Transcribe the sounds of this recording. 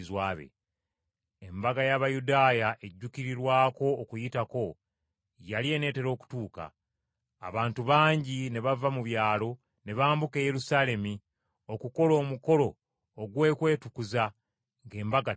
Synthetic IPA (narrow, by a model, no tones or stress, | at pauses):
zwaːβḛ | embaɡajaβajudaːjaʔe̞ɟːuciɾiɾwaːko̞ːkujitako̞ | jalie̞ne̞ːte̞ɾo̞ːku̥tuːka̰ː | βaːntuβaːɲɟine̞βavamuβjaːlo̞ | ne̞βaːmbuke̞je̞ɾusaːle̞mi | o̞kuko̞lo̞ːmuko̞lo̞ː | ɡwe̞ːkwe̞ːtukuza | ŋɡe̞ːmbaɡa